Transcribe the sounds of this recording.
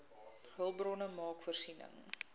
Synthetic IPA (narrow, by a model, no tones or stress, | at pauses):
ɦəlˠbrɔnəmɑːkfərsinə̰ŋ